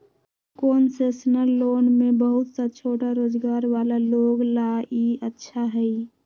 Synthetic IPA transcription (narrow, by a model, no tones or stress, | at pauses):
koːnsesnəlːoːnmebəɦut̪sət͡ʃʰoːʈaɾoːd͡ʒɡaːɾʋaːlaloːɡlaiətːʃʰaɦɛi